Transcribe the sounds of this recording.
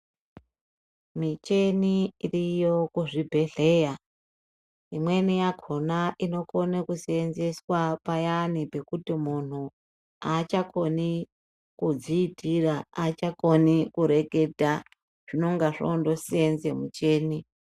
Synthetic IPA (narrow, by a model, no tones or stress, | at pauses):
mit͡ʃeniirijokuʐibʱe̞ɮe̞ːja | imwe̞nijakʰonaʔino̞ko̞nekusienze̞swapajanipe̞kutimun̤u | at͡ʃako̞ni | kud͡ziːtiraat͡ʃako̞nikuɾe̞ke̞dʱa | ʐ̥ino̞ŋɡaʐondo̞sienzemut͡ʃe̞ːni